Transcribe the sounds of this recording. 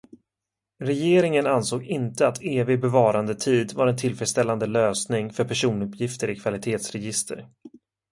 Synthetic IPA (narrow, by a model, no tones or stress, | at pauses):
ɾɛjeːɾɪŋənansoːɡɪnt̪əat̪ʰeːvɪɡ̚bɛvɑːɾand̪ət̪ʰiːd̪vaɾɛnt̪ʰɪlfɾɛt̪st̪ɛlːand̪əløːsnɪŋfœɾpʰæʂuːnɵpjɪft̪əɾɪkʰvalɪt̪ʰeːt̪sɾɛjɪst̪ʰə̰ɾ